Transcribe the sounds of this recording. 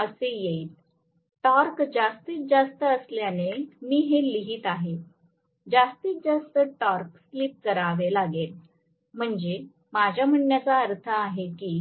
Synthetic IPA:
əsejet̪̚ | ʈɔɾkd͡zast̪iːt͡s̪̚d͡zast̪əəsljanemiːɦeliɦiːt̪aɦe | d͡zast̪iːt̪̚d͡zast̪əʈɔɾksliːp̚kəɾaʋelaɡel | m̤əɳd͡ze | mad͡ʑʱjam̤əɳjat͡saəɾt̪ʰəːɦekiː

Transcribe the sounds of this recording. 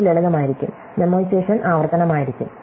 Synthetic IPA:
ileɭɐɣɐmaːjiɾikʲːṵm | nemoːseːʂɐnʔaːʋɐrt̪ɐnɐmaːjiɾikʲːum

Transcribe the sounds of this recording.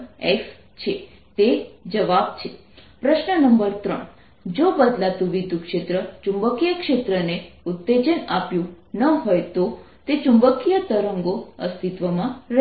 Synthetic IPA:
es | t͡ʃʰe | t̪ed͡ʒəʋabt͡ʃʰe | pɾəʃnənəmbəɾt̪ɾəɳ | d͡ʒobəd̪lat̪ũʋid̪ʱukʂet̪ɾət͡ʃũmbəkijəkʃet̪ɾəneut̪ːed͡ʒənapjũ | nəɦojt̪o | t̪et͡ʃumbəkijət̪əɾəŋɡoəst̪it̪ʋəmãɾə

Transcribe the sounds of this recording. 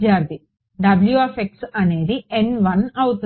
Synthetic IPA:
jaːɾt̪i | ɖɐbljuɐfeksɐne̞ːd̪ienʋɐnɐʋut̪

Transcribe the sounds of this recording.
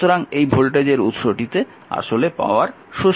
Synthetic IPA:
oɾaŋejbʱolʈed͡ʑeɾut̪ʃoʈit̪e | a̰ʃolepa̰oaɾ | ʃo

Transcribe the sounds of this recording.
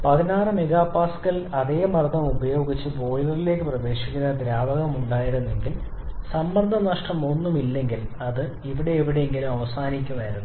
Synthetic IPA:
pɐðinaːrɨmeɣaːpaːskɐlɐðe̞ːmɐrd̪ʱɐmubɐjo̞ːɡit͡ɕːɨbo̞ːjilɐrile̞ːkːɨprɐʋe̞ːʂikʲːunːɐd̪ɾaːbɐɣɐmuɳɖaːjiɾunːe̞ŋɡil | sɐmbɐnd̪ʱɐmnaːʂʈɐmo̞nːumilːe̞ŋɡilɐðɨ | iʋiɽe̞ːʋiɽe̞jeŋɡilumɐʋɐsaːnik̬ʲːunaːjiɾunːu

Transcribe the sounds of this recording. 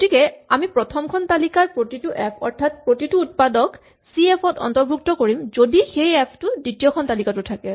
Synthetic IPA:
otʰikɛamipɹɔtʰɔmkʰɔntalikaɹpɹotitʊʔɛpʰɔɹtʰat̚pɹotituːt̚padɔk | siepʰɔtɔ̰ntɔɹbʱuk̚tɔkoɹimzodixejɛpʰtʊditijɔkʰɔntalikatʊtʰakɛ

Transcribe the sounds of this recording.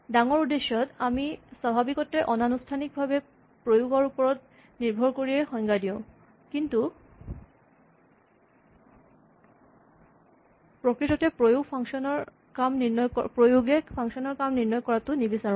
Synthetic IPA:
daŋɔɹud̪eʃɔt̪amisabʱabikɔteʔɔnanustʰanik̚bʱabe | pɹojoɡɔɹupɔɹɔt̪ | niɹbʱɔɹkoɹiexɔjŋɡadiʊ̃ | kintu | pɹokɹitɔtepojoɡpʰɔŋʃɔnɔɹ | kamniɹnɔjpɹojoɡefʰaŋʃɔnɔɹkamniɹnɔjkɔɹat̪unibisaɹũn

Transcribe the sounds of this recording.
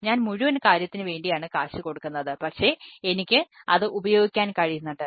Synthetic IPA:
ɲaːnmuɻuʋɐnkaːɾjɐt̪ːinɨʋe̞ːɳɖijaːɳɨkaːʂɨko̞ɽukːunːɐðɨpɐkʂe̞ːenikʲːɨɐðɨʔubɐjo̞ːɡikʲːaːnkɐɻijunːɐʈːɨ

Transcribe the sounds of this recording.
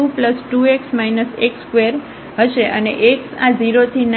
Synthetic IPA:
upləsʈueksmainəsekskʋeɾ | ɦəʃeʔə̰nḛʔeksad͡ʒiɾot̪ʰin

